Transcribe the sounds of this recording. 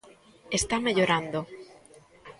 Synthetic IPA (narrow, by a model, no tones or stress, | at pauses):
est̪ameʎoɾand̪o